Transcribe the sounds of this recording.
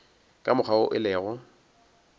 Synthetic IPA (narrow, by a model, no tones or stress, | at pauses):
kʼamʊχaʊʔɪlɛːɣɔ